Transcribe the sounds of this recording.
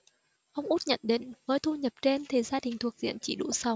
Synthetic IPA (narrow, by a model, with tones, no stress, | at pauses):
ʔə˧wŋ͡mʔu˦˥t̚ɲə̰˧˨nɗḛ˧˨˥nvəː˨˦jt̪ʰu˧ɲə˨˩p̚t͡ɕe˧nt̪ʰi˨˩zaː˧ɗï˨˩ŋ̟t̪ʰu˨˩ək̚zḭ˧˨ənt͡ɕḭ˧˩ɗṵ˧˩sa˨˧˦w